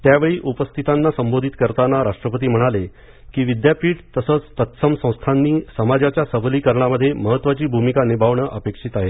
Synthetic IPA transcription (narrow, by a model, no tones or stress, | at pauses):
t̪jaʋeɭiːʔupəst̪ʰit̪anːasəmbod̪ʱit̪kəɾt̪anaɾaʂʈɾəpət̪̬iːm̤əɽ̃ale | kiːʋid̪japiːʈt̪əsəːt͡st̪ət̪səmsə̃w̃st̪ʰanːiːsəmad͡ʑat͡ɕjasəbliːkəɾɳaməd̪ʱːjeməɦət̪ːʋat͡ɕiːbʱumikanibʱaʋɳəʔəpekʂit̪aɦe